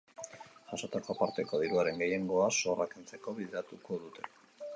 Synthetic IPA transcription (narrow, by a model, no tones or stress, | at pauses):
ʝaso̞t̪ako̞apaɾt̪e̞ko̞ðiɾuaɾe̞ŋɡe̞je̞ŋɡo̞aso̞rakint͡se̞ko̞βiðeɾat̪uko̞ðut̪ʰe̞